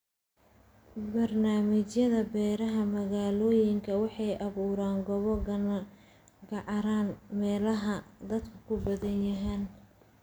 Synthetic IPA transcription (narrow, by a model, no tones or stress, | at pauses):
bɐrnaːmɪt͡ʃjɐðɐbɛːɾɐɦɐmɐɣaːlɔːjɪŋkʰɐwɑħɑjʔɐβuːɾaːŋɡɔβɔɡ | ɡɑʕɾaːnmɛːlɐɦɐd̪ɐd̪kʰɐ̥kʰʊbɐðɐnjɐɦaːn